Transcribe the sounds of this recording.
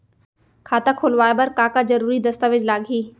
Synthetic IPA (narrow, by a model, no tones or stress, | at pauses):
kʰaːt̪akʰoːlʋaːebəɾkaːkazəɾuːɾid̪ɐst̪aʋɪd͡ʒlaːɡʱiː